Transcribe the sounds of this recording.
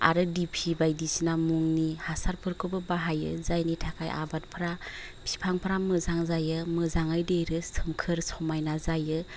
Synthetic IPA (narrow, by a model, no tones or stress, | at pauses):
a̰ɾɯdipʰibajdisinamuŋnihasaɾpʰɯɾkʰɯbɯbaɦajɯ̰zajnitʰakʰajʔa̰bat̚pʰɯɾa | pʰipʰaŋpʰɾamɯzaŋzajɯmɯzaŋajdejɾɯsʰɯmkʰɯɾsɔmajnazajɯ